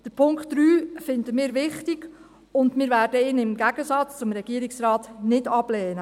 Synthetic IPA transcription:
d̥əpʰʊŋktːɾyːfɪndəmɪːɾʋɪχtɪɡ̥ | ʊndmɪːɾvæːrdəɪːnɪmɡæɡəsɑt͡st͡sʊmɾɛɡ̥iːəɾɪksrɑːtnɪdɑb̥lɛːnə

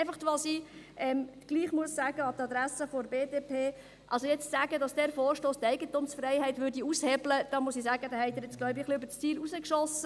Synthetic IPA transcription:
ɛɪfɑχtʋɑsi | ʔɛmɡ̥liːχmuəsːæːɡ̥əɑt̪ɑd̪ɾæsəfɔɾbeːdeːpʰeː | ʔɑlsojɛt͡ssæːɡədɑsd̥ɛːɾfoːrʃtoːst̪ɛɪɡət̪umsfrɛɪhɛɪtʋʏːɾdiushɛbləd̥ɑmuəsisæːɡ̥əd̪æːhɛɪd̪əɾɪt͡sɡ̥lɔɥbiχliøbəst͡siːlusəkʃɔsə

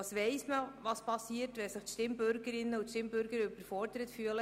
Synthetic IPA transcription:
sʋɛɪsməʋɑspɑsiətʋɛsɪχtʃtɪmbøɾɡəɾɪnːəutʃtɪmbʏɾɡəɾʏbəɾfɔrdəɾətfyələ

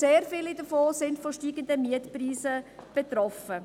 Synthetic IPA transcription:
seːɾfɪlidəfoːsɪndfɔʃtiːɡəndəmiətpriːsəb̥ɛt̪rɔfə

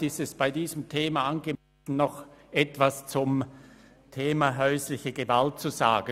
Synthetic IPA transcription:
ɪstɛsb̥aɪdiːzəmtʰeːmaʔanɡəmɛsn̩ːɔχʔɛtv̥ast͡sʊm | tʰeːmaɦœʏslɪçəɡəvalt̚t͡suzaːɡ̥ə

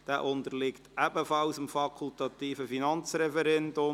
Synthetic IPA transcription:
d̥æːʔʊnd̪əɾlɪktæbəfɑlsəmfɑkʰʊltɑt̪iːfəfinɑnt͡sɾɛfɛɾɛndʊm

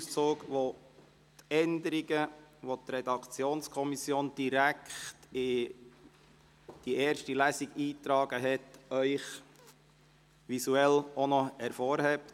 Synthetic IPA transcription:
ust͡soːɡʋo | t̪ɛnd̪əɾiɡəʋot̪ɾɛd̪ɑkt͡sjoːnskʰɔmisjoːnd̥iɾækχtɪ | d̥iɛːɾʃtilæsiɡ̥iːt̪ɾɑːɡ̥əɦɛtœʏχ | ʋisuɛlɔnɔhɛɾfɔːɾhɛp̚t

